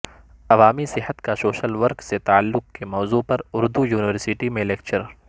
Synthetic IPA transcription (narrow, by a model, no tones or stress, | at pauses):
ɐʋaːmisɪɦət̪kasoːʃəlʋɐɾkset̪aːəlːʊk̚kemɔːzupɐɾʊɾd̪ujuːnɪʋəɾsɪʈimẽleːkt͡ʃəɾ